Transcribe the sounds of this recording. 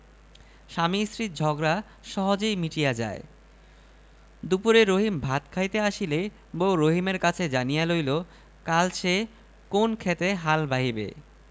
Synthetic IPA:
ʃamisɾit̪̚d͡ʑʱɔɡɾa | ʃɔɦod͡ʑejmiʈijad͡ʑa̰e | d̪upuɾeɾoɦimbʱat̪kʰajt̪eaʃile | boɾoɦimeɾkat͡ɕʰed͡ʑanijalojlo | kalt͡ɕʰe | konkʰet̪eɦalbaɦibḛ

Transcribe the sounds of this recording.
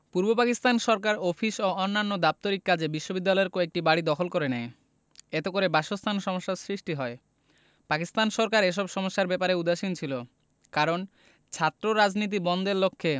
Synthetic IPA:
puɾbopakist̪anʃɔɾk̬aɾofʰiʃoɔnːanːod̪ap̚t̪oɾikːad͡ʑʱebiʃːobid̪ːalɔeɾkoek̚ʈibaɽid̪ɔkʰolkoɾenɛe | et̪ekoɾebaʃost̪ʰanʃɔmoʃːasɾiʃʈiɦɔe | pakist̪anʃɔɾkaɾeʃ̬ɔbʃɔmoʃːaɾbɛpaɾeud̪aʃint͡ɕʰilo | kaɾon | t͡ɕʰat̪ːɾoɾad͡ʑnit̪̬ibɔnd̪eɾlokʰːe

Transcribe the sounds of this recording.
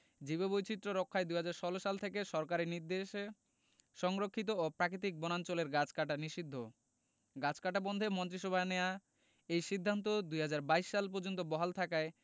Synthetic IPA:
d͡ʑiβebojt͡ɕit̪ːɾoɾɔkʰːaed̪ujɦad͡ʑaɾʃɔloʃalt̪ʰekeʃɔɾkaɾiɾniɾd̪eʃ | ʃɔŋɾokʰːit̪̬oopɾakɾit̪̬ik̚bɔnant͡ɕoleɾɡat͡ɕkaʈaniʃid̪ʱːo | ɡat͡ɕkaʈabɔnd̪ʱemɔnt̪ɾiʃɔbʱaneoa | ejʃid̪ʱːant̪̬od̪ujɦad͡ʑaɾbaiʃːalp̬ɔɾd͡ʑont̪obɔɦalt̪ʰakae

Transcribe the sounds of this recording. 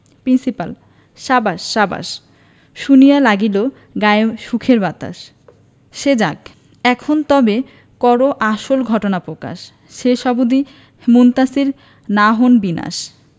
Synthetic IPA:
pɾinsipal | ʃabaʃːaba̰ʃ | ʃunijalaɡilo | ɡaeʃukʰeɾbat̪a̰ʃ | ʃed͡ʑaɡ | ɛkʰont̪ɔbe | kɔɾoʔaʃolɡʱɔʈonapɾoka̰ʃ | ʃeʃɔbud̪i | munt̪asiɾ | naɦonbina̰ʃ

